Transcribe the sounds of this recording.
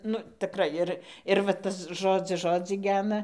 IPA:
ˈnʊ tʲɪˈkrɐɪ ɪr ɪr ʋɐ ˈtɐs ˈʒoːd͡zʲɪs ˈʒoːd͡zʲiː ˈɡʲæːnɐ

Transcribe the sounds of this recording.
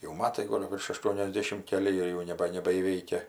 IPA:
jɛʊ ˈmɑːtɐɪ ˈɡoːlˠ ʋʲɪrʃ ɐˌʃtuɔnʲɛzʲˈdʲeːʃʲɪm kʲɛˈlʲɪ ˈjɛɪ jɛʊ nʲɛˈbɐ nʲɛbɐiːˈʋʲɛɪkʲɛ

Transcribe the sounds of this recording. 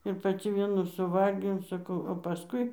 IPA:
ɪr pɐˈt͡sʲɪ ˈʋʲiɛnuː sʊˈʋɐlʲɡʲɛʊ sɐˈkɐʊ oː pɐˈskʊɪ

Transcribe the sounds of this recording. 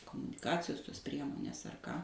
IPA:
koːmʊnʲɪˈkɑːt͡sʲɪjoːs toːs ˈpʲrʲiɛmoːnʲeːs ɐr ˈkɑː

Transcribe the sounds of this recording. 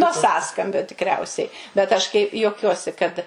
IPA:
nuɔ ˈsɑːskɐmʲbʲoː tʲɪkˈrʲɛʊsʲɛɪ bʲɛt ˈɐʃ kɐɪ juɔˈkʲuɔsʲɪ kɐt

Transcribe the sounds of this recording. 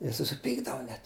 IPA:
ˈjiɛ sʊsʲɪˈpʲiːɡdɐʋʊ nʲɛt

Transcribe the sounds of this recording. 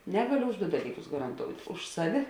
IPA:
ˈnʲæːɡɐlʲʊ ʊʃ dʊ ˈdɑːlʲiːˌkʊs ɡɐrɐnˈtoːʊtʲ ˈʊʃ sɐˌʋʲɪ

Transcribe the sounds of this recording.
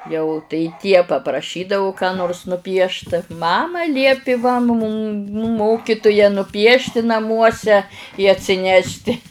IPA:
jɛʊ tɐɪ ˈtʲiɛ pɐprɐˈʃʲiːdɐʋʊ kɑː ˈnoːrs nʊˈpʲiɛʃt ˈmɑːmɐ ˈlʲiɛpʲɪ ʋɐ muːm ˈmoːkʲɪtʊjɛ nʊˈpʲiɛʃʲtʲɪ nɐˈmuɔsʲɛ ɪ ɐtʲsʲɪˈnʲæːʃʲˈtʲɪ

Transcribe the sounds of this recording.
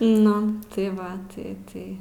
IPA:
ˈnʊ tɐɪ ˈʋɐ ˈtɐɪ ˈtɐɪ

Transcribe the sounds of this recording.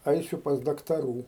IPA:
ˈɐɪsʲʊ pɐs dɐktɐˈruː

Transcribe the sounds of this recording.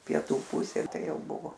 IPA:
pʲiɛˈtuː ˈpʊsʲeː ˈtɐɪ ˈjɛʊ ˈbʊʋoː

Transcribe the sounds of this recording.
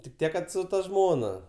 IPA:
tʲɪk ˈtʲiɛk ˈkɐt sʊ tɐ ˈʒmoːnɐ

